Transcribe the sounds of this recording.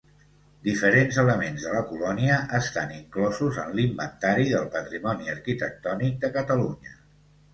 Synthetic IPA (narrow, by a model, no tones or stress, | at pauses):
d̪ifəɾenzələmenzðələkulɔniəʔəst̪aniŋklɔzuzənlimbənt̪aɾiðəlˠpət̪ɾimɔniəɾkit̪ək̚t̪ɔnik̚d̪əkət̪əluɲə